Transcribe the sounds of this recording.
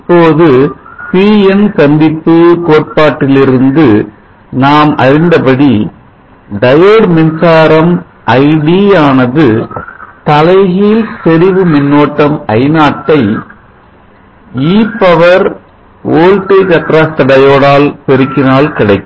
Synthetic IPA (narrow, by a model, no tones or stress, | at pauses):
ɐpːoːðɯpiːɛnsɐnd̪ɪpːɯkoːʈ̚paːʈːɪlɪɾɯnd̪ɯ | naːmɐ̰ɾɪnd̪ɐpɐɽi | ɖɐjɐɽmɪnsaːɾɐm | ʔɐɪɽiaːnɐðɯ | t̪ɐlɐɪɣilt̪ɛɾɪʋɯmɪnːoːʈːɐmɐɪnaːʈːɐɪ | iːpːɐʋɐɾ | oːɻʈɐɪkɐt̪ːɾaːst̪ɐɽɐjoːɽaːlpɛɾɯkːɪnaːlkɪɽɐɪkːɯ